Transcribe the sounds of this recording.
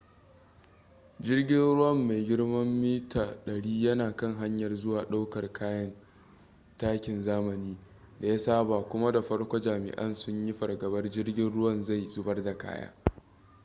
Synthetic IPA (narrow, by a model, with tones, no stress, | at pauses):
d͡ʒɪ˦rɡʲɪ˦nɽʊ˦wɐ˦˨mːa˨jɡʲɪ˦ɽmɐ˦mːiː˦taː˨ɗɐ˨ɽiː˦jɐ˦naː˨kɐ˦ŋɦa˦ɲjɐ˨rzʊ˦waː˨ɗa˦wkɐ˨rkʰaː˦jɐ˦n | taː˦kʲɪ˨nzaː˦mɐ˨niː˦ | da˨ja˦saː˦baː˨kʷʊ˦ma˦da˨ɸɐ˦rkʷo˦d͡ʒaː˨mɪ̰˨ʔɐ̰˦nsʊ˦ɲji˦ɸɐ˨rɡɐ˨bɐ˦rd͡ʒɪ˦rɡʲɪ˦nɽʊ˦wɐ˦˨nza˦˨jzʊ˦bɐ˦rda˨ka̰ː˦ja̰ː˦